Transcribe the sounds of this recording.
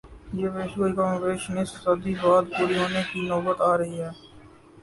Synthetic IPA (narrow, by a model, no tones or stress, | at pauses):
jeːʋeːʃuikaːmʋeːʃnɪssəd̪ibaːd̪̚puːɾiɦoːnekinɔːbət̪aːɾɐɦiɦɛː